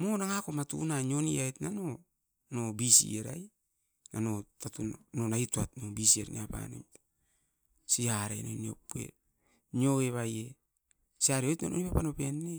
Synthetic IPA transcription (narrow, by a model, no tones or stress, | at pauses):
monaŋakomatṵnaɲoniajtnano | nobisḭeɾa̰j | nano̞tatunnonaituatnobisieɾnḭapa̰nḛm | siaɾḛnonio̰puḛt̚ | noeβaje | siaɾeojtna̰nʔonipapano̞penːe